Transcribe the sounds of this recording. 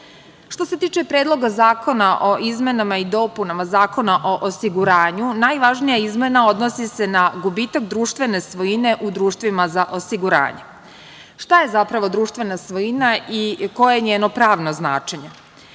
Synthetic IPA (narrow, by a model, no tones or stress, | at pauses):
ʃt̪o̞se̞t̪iːt͡ʃe̞pɾed̪lˠo̞ɡazaːko̞naʔo̞ʔizme̞namaid̪o̞punamazaːko̞naʔo̞ʔosiɡuɾaːɲunajʋaʒnijaizme̞nao̞d̪no̞sise̞naɡubiːt̪akd̪ɾuːʃt̪ʋe̞ne̞sʋoine̞ʔud̪ɾuːʃt̪ʋimazaʔo̞siɡuɾa̰ːɲe̞ | ʃt̪aje̞zapɾaʋo̞d̪ɾuːʃt̪ʋenasʋojinaiko̞jeɲeːno̞pɾaːʋno̞zna̰ːt͡ʃe̞ɲe̞